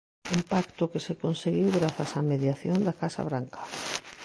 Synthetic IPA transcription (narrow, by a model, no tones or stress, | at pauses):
impakt̪ʊkesekonseɣiwɣɾaθasameðjaθjond̪akasa̰β̞ɾaŋkḁ